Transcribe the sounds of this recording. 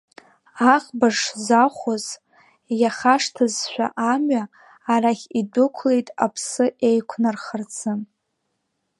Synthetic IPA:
aχbaʂzaχʷoz | jaχaʂtʰɨzʃʷᶣa̰ʔamɥaː | raχʲidʊkʷʰle̞jtʼa̰pʰsɨejkʷʰnarχərt͡sʰɨm

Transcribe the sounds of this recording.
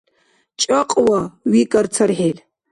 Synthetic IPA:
t͡ʃʼɐqʼwawikʼɐrt͡sʰɐrħelʲ

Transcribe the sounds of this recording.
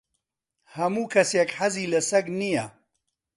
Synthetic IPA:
hɐmuːkʰɐsjekħaziːlɐsɐɡnijɐ

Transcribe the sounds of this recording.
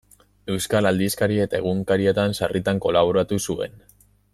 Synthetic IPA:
e̞wskalald̪iskaɾie̞t̪ae̞ɣ̞uŋkaɾie̞t̪ansarʔit̪aŋko̞laβ̞oɾat̪usue̞̰n

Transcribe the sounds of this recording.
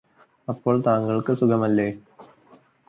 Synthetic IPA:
ɐpːoːɭt̪aːŋɡɐɭkɨsʊkʰɐmɐlːeː

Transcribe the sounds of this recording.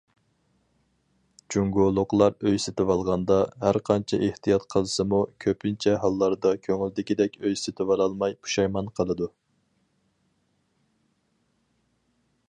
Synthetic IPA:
d͡ʒuŋɡolˠːʊqlˠɑɾøjsɪt̪ɪwɑlˠʁɑnd̪ɑhæɾqʰɑnt͡ʃʰɛ̰ʔeht̪ijɑt̪qʰəlˠɨsɨmukʲʰøpʰɪnt͡ʃʰɛɦɑlˠːɑɾd̪ɑkʲʰøŋyld̪ɪkʲid̪ɛkʲøjsɪt̪ʰɪvɑlˠɑlˠmɑjpʰu̥ʃɑjmɑnqʰəlˠɨd̪u

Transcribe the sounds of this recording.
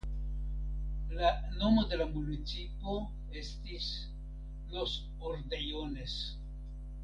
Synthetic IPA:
lano̞mo̞de̞lamunit͡sipo̞ | e̞stis | los | oɾdejones

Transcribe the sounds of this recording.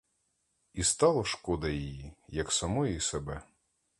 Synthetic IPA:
ist̪ɑlˠɐʃkɔd̪ɐjijijɐksɐmɔjijsebɛ

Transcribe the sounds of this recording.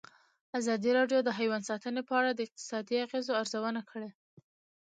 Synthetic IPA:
azɑd̪iɾɑɖjod̪əɦajwansɑt̪ənepəaɽad̪əɪq̚t̪ɪ̥sɑd̪iaɣezoaɾzawənakʰəɽe

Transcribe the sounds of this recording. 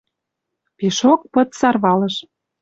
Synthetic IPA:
peʃok̚pɤ̆t̪sɑrβɑlɤ̆ʃ

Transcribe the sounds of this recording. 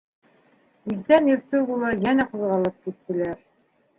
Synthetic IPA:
izt̪ænjɵ̆ɾt̪ɘwbulˠɑɾjænæquðʁɑlˠɤp̚kit̪ːɘ̆læɾ

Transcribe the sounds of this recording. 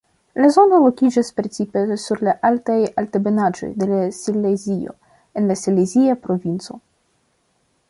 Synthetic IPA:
lazo̞no̞lo̞kʲid͡ʒaspɾe̞t͡sipe̞suɾlaʔaltajaltebe̞nad͡ʒo̞̰jde̞lasilezio̞̰ | e̞nlasileziapɾo̞vint͡so̞̰

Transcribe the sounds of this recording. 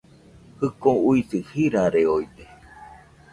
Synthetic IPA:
hɨkõuisɨhiɾaɾeoid̪e

